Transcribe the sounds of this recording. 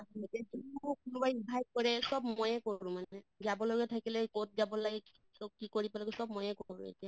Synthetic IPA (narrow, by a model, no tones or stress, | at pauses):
aɦetɛd͡ʒikunɔbaibʱaj̚kɔɹɛsɔbmɔjɛkoɹũmanɛzabɔlɔɡɛtʰakilɛkot̚ʰzabɔlaɡɛ | sɔkikoɹipalɔɡɛsɔb̚mɔjɛkoɹṵ̃ḛtɛ